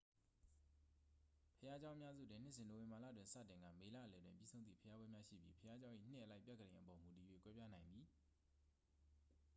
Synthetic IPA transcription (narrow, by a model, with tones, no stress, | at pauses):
pʰəja˦d͡ʑã˦ʊ̃ʔəmja˦zṵ˦˨dɪ̃˨n̥ɪ˦˨sɪ̃˨no˨wɪ̃˨mba˨la̰˦˨dwɪ̃˨nsä̰˦˨tɪ̃˨ŋɡä̰˦˨me˨la̰˦ʔəlɛ˨dwɪ̰̃˨mpji˦sõ˦ʊ̃nḭ˦˨pʰəja˦bwɛ̃˦mja˦ʃḭ˦˨bji˦pʰəja˦d͡ʑã˦ʊ̃ʔḭ˦˨n̥ɪ̰̃˦ʔə˨la˦ɪpjɛ˦kːə˨dẽ˨ʔəpɔ˨mu˨ti˨jwḛ˦˨kwɛ˦pja˦nã˨ɪ̃nd̪ði˨